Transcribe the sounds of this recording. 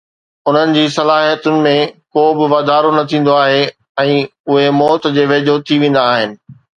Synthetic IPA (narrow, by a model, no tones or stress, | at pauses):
ʊn̤ənɪ̆d͡ʑiːsɐlaːɦijət̪ʊnɪ̆mẽkoːbɪʋaːd̪aːɾonɐt̪ʰĩːn̆d̪oaːɦe | ɛ̃ːʊɦemɔːt̪d͡ʑeːʋeːd͡ʑot̪ʰiʋẽːn̆d̪aːɦɪnɪ̆